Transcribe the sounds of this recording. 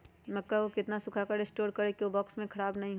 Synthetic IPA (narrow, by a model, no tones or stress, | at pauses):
mɐkːaokɪt̪nasʊkʰakaɾɪsʈoːɾkɐɾekiobɔːksmẽkʰɐɽaːbnɐɦĩɦ